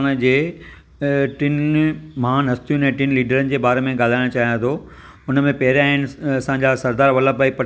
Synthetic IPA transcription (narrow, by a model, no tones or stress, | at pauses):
ñd͡ʑeː | ʈɪnmɐɦãnɐst̪ijũnɛ̃ːʈɪnliːɖəɾənɪ̆d͡ʑeːbaːɾemẽɡaːl̤aːɪɽ̃ot͡ɕaːɦijãt̪ʰo | ʊnəmẽpɐɦɪɾaːɦɪnɪɐsãːɲd͡ʑasɐɾd̪aːɾʋɐləbaːipɐ